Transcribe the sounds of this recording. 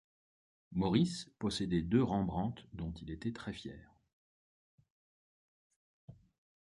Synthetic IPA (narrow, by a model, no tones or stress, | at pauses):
mɔʁispɔsed̪ɛd̪øʁɑ̃bʁɑ̃t̪d̪ɔ̃t̪ilet̪ɛt̪χɛfjɛːʁ